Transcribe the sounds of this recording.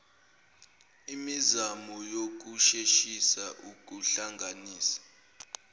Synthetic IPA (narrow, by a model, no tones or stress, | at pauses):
imizamɔjok̬uʃeʃisaʔuk̬ʼuɬaŋɡʱaniːsḁ